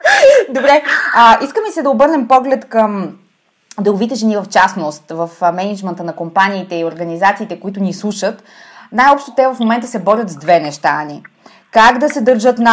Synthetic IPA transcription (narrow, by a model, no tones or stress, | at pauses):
d̪obɾɛəʔiskəmisɛd̪ɐobɤɾnɛmpɔɡlɛt̪kəm | d̪ɛlˠovit̪ɛʒɛnivɐft͡ʃasnost̪vəfmɛnid͡ʒmɛnt̪ənɐkompaniːt̪ɛioɾɡənizat̪siːt̪ɛkoit̪ʊnislˠuʃət̪ | najɔpʃt̪ot̪ɛvɐfmomɛnt̪əsɛbɔɾʲət̪zd̪vɛnɛʃt̪ani | kaɡd̪ɐsɛd̪əɾʒɤt̪na